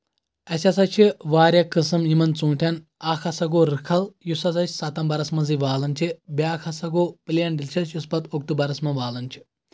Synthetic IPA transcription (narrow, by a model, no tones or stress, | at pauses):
ɐsʲɐsɐt͡ʃʰiʋaːɾʲjɐkɨsɨmimɐnt͡sũːɳʈʰʲɐn | aːkʰɐsɐɡoːɾɨkʰɐljusɐzɐt͡ʃʰʲsɐt̪ɐmbɐɾɐsmɐziʋaːlɐnʲt͡ʃʰibʲjaːkʰɐsɐɡoːpɨljɐnɖilʲt͡ʃʰɐlt͡ʃʰjuspɐt̪ok̚t̪ubɐɾɐsmɐʋaːlɐnʲt͡ʃʰi̥